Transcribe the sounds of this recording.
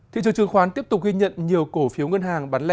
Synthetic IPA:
t̪ʰḭ˧˨t͡ɕɨ˧˩t͡ɕɨ˨˧˩əŋxwaː˨˦nt̪i˦˥əp̚t̪ʊ˨˩k͡p̚ɣi˧ɲə̰˧˨nɲi˨˩əwko˧˩fi˨˦wŋə˧nɦaː˨˩ŋɓa˨˦nlɛ˧

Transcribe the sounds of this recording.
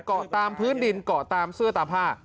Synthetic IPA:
kɔ˨˩t̪aː˧mpʰɯː˦˥ndi˧nkɔ˨˩t̪aː˧msɯ˥˩ɐt̪aː˧pʰaː˥˩

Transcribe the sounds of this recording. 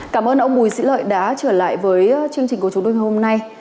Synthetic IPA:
kaː˧˩mʔəː˧nʔə˧wŋ͡mɓu˨˩jzḭ˧˥lə̰ː˧˨jɗa̰ː˨˦t͡ɕəː˧˩la̰ː˧˨jvəː˨˦jt͡ɕɨ˧əŋt͡ɕi̟˨˩ku˧˩t͡ɕu˨˦to˧jŋa˨˩ho˧mna˧j

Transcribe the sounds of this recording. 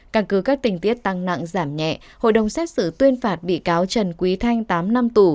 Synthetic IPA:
kaː˧˩nkɨ˨˦kaː˦˥k̚t̪ï˨˩ŋ̟t̪i˦˥ət̚t̪a˧ŋna̰˧˨ŋzaː˧˩mɲɛ̰˧˨ | ho̰˧˨jɗə˨˩wŋ͡msɛ˦˥t̚sɨ˧˩t̪wi˧ənfaː˨˩t̚ɓḭ˧˨kaː˨˦wt͡ɕə˨˩nkwi˨˦t̪ʰa˧jŋ̟t̪aː˨˦mna˧mt̪u˧˩

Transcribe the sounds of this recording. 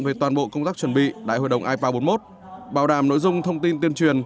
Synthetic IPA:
nve˨˩t̪waː˨˩nɓo̰˧˨kə˧wŋ͡mt̪aː˦˥k̚t͡ɕwə˨˩nɓḭ˧˨ɗa̰ː˧˨jho̰˧˨jɗə˨˩wŋ͡mʔaː˧jpaː˧ɓo˨˦nmo˦˥t̚ | ɓaː˨˩wɗaː˨˩mno̰˧˥jzʊ˧ŋ͡mt̪ʰə˧wŋ͡mt̪i˧nt̪i˧ənt͡ɕwi˨˩ən

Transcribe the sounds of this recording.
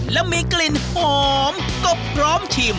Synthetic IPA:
lɛ˧˥wmi˧kli˧nhoː˨˧m | ko˧˩p̚pʰɾɔː˨˦˥mt͡ɕʰi˧˩m

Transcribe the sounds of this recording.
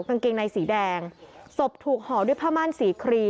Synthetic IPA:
ka˧ŋke˧ŋna˧jsiː˩˦dɛː˧ŋso˨˩p̚t̪ʰuː˨˩k̚hɔː˩˦du˥˩əjpʰaː˥˩maː˥˩˨nsiː˨˩˦kʰɾiː˧

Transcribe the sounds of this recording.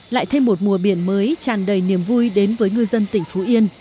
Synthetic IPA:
la̰ː˧˨jt̪ʰa˧jŋmo˨˩t̚mu˨˩əɓi˧˩ənməː˨˦jt͡ɕaː˨˩nɗə˨˩jni˨˧˩əmvu˧jɗe˨˦nvəː˨˦jŋɨ˧jzə˧nt̪ï˧˩ŋ̟fo˨˦ʔi˧ən

